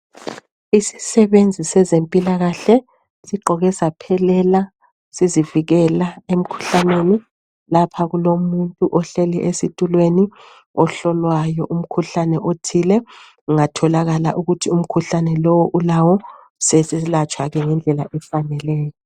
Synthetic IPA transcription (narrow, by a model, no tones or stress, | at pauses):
isi̥sɛβend͡zʱisɛzempʼilaɣaɬɛ | siǃɔɣɛsapʰɛlɛla | siziviɣɛlaem̩kʰu̥ɬaneni | lapʰaɣulomuntʼuʔɔɬeliʔesitʼulweni | ɔɬɔlwajɔʔum̩kʰuɬanɛʔotʰilɛ | uŋatʰɔlaɣala̰ʔuɣutʰium̩kʰuɬanɛlɔwɔʔulawɔ | sɛsɛlat͡ʃʼʰwaɣɛŋɛnd͡ɮʱɛla̰ʔɛfanɛlɛːjɔ